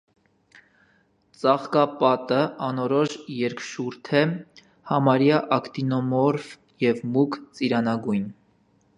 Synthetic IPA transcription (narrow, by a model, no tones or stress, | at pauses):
t͡sɑχkɑpɑt̪əɑnɔɾɔʃjɛɾkʃuɾt̪ʰɛ | hɑmɑɾjɑʔɑkt̪inɔmɔɾv | jɛvmukt͡siɾɑnɑɡujn